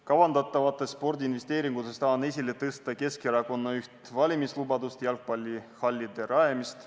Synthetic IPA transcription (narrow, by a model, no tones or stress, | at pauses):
kɑvɑnd̪ɑt̪ːˑɑvɑt̪ˑːe̞sːpo̞rd̪iːnve̞st̪e̞ːɾiŋɡ̥ut̪est̪ɑːne̞sʲilet̪ɤst̪ɑke̞skeɾɑko̞nːɑyht̪vɑlʲimislubɑd̪ust̪jɑlk̚pɑlʲːihɑlʲːid̪e̞ɾɑemist̪